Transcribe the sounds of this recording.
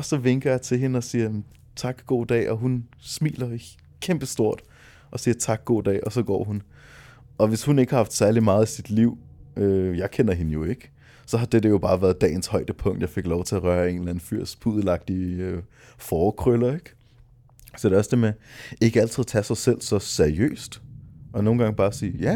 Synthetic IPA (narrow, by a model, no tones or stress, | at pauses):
ɒ̽sɒ̽ʋeŋɡ̥ɐjɑ̈ɪt͡sʰe̝lɦe̝nəɒ̽siːɐ | t͡sʰɑ̈ɡ̥ɡ̥o̝̰ːd̥ɛ̰ːʔɒ̽ɦun | smḭːlɐ | kʰemb̥əsd̥o̝ɐ̰d̥ | ʔɒ̽siːɐt͡sʰɑ̈ɡ̥̚ːo̝̰ːd̥ɛ̰ːʔɒ̽sɒ̽ɡ̥ɒ̰ːɦun | ʔɒ̽ʋe̝shune̝ɡ̥ə̥hɑ̈hɑfd̥sæɐlimɑ̈ːð̞̩ˠisid̥liʊ̰øjɑ̈ɪkʰen̰ɐɦe̝nəjo̝e̝ɡ̥ə | sɒ̽ɦɑ̈d̥ed̥əjo̝b̥ɑ̈ːʋæɐðˠd̥ɛ̰ːnshɒ̽ɪd̥əpʰɔ̽ŋ̰d̥jɑaɪfe̝ɡ̥lɒʊt͡sʰe̝ɐʁɶːɐe̝nlæn̩fyɐ̰spʰuðˠəlɑ̈ɡ̥̚d̥iø | fɒːkʰʁølɐe̝ɡ̥ | sɒd̥e̝ɒ̽sd̥emee̝ɡ̥əæl̰t͡sʰiðˠt͡sʰæsɑ̈ɪsel̰sɒ̽seɐiø̰ːsd̥ɒ̽no̝ːn̩ɡ̥ɑ̈ŋəb̥ɑːsḭːɐjæ